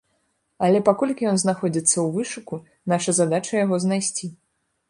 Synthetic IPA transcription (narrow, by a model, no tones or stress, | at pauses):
ɐlʲɛpakɔlʲkʲijɔnznaxɔd͡zʲit̪sːɐwvɨʂuku | naʂɐzad̪at͡ʂɐjaɣɔznajsʲt͡sʲi